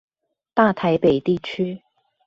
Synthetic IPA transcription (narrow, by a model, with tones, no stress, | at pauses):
t̪a˥˨t̪ʰa˨˥ɪpe˨˩ɪt̪i˥˩t͡ɕʰy˥